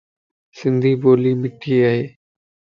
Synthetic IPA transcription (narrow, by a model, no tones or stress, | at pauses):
sɪ̃nd̪ʱiːboːliːmɪʈʰiːaːɦeː